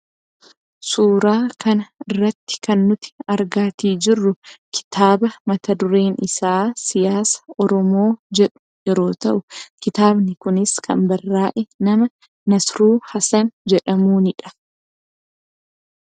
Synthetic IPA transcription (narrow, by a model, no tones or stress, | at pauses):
suːɾaːkʰɐnɐɪrːɐt̪ːɪ̥kɐnːʊt̪ɪ̥ɐɾɡaːt̪iːd͡ʒɪrːʊkʰɪ̥t̪ʰaːbɐmɐt̪ɐd̪ʊɾe̞ːnɪsaːsɪjaːsɐ̥ɔɾɔmo̞ːd͡ʒɛᶑʊ̥jɛɾo̞ːt̪ɐʔʊkɪt̪aːbnɪkʊnɪskʰɐ̰mbɐrːaːʔɛnɐmɐ | nɐsɾuːhɐsɐnd͡ʒɛᶑɐmuːnɪᶑɐ̥